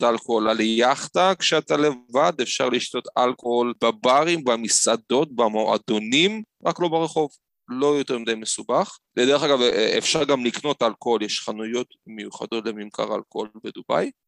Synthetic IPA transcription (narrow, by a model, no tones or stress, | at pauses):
talkoolaleaχtakʃeat̪alevad̪efʃa̰ʁliʃto̞talkoholbabaʁimbamisado̞t̚bamoa̰do̞nimʁaklo̞baʁeχo̞v | lo̞jo̞t̪eʁmid̪ejmesubaχled̪eʁeχaɡavḛfʃaʁɡamlikno̞talkoholjeʃχanujo̞tmejuχa̰d̪o̞tlemimkʰa̰ʁa̰lkoobed̪uba̰j